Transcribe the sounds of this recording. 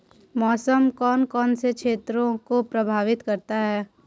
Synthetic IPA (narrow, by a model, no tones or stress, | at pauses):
mɔːsəmkɔːnkɔːnsekʃʰeːt̪ɾõkopɾɐbʱaːʋɪt̪kɐɾt̪aɦɛː